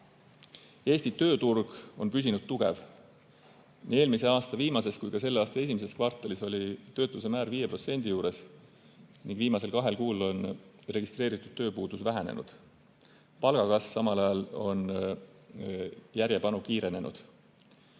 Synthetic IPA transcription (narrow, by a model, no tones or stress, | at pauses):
e̞ːsʲt̪it̪ø̞ːt̪urɡ̥o̞̰npys̬ʲinud̪̥̚t̪uɡ̥e̞̰v | nie̞ːlmise̞ɑːst̪ɑviːmɑse̞skujkɑse̞lːeɑːst̪ɑe̞s̬ʲimes̬e̞skvɑrt̪ːˑɑliso̞lʲit̪ø̞ːt̪ˑlus̬emæːɾviːje̞pro̞t̪se̞nʲd̪̥ijuːɾe̞s | niŋɡ̥viːmɑse̞lkɑɦe̞lkuːlo̞nre̞ɡ̥ist̪ɾe̞ːɾit̪ːˑud̪̥t̪ːø̞ːpuːd̪̥usvæɦenḛnṵd̪̥ | pɑlɡ̥ɑkɑsv̥sɑmɑlɑjɑlo̞n | jæɾjepɑnukiːɾe̞ne̞nṵd̪̥